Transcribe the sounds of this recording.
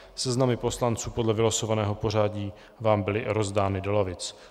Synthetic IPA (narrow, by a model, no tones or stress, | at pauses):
sɛznamɪpo̞slant͡suːpo̞dlɛvɪlaso̞vanɛːɦo̞po̞r̝aːɟiː | vaːmbɪlɪɾo̞zdaːnɪdo̞lavɪt͡s